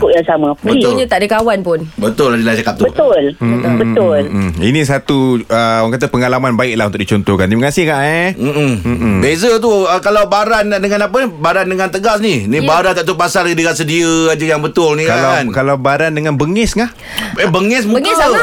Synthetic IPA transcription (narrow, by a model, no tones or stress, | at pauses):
kʊʔjaŋsamabət̪ʊɲət̪aʔdəkawanpʊnbət̪ʊlad͡ʒəlat͡ʃakap̚t̪ubət̪ʊlbət̪ʊlinĩs̬at̪uəawaŋkat̪̬əpəŋalamanbaɪk̚launt̪ʊk̚dit͡ʃɔnt̪ɔhka̰nt̪iməkasɪhkaʔɛm̩m̩bezət̪̬uəkalawbaɾanaʔdəŋanapənibaɾandəŋãnt̪əɡasninibaɾant̪aʔt̪̬upasalkdikas̬ədiəad͡ʒəjaŋbət̪ʊlnikalaankalawbaɾandəŋanbəŋɛsŋah | əbəŋɛs̬mukə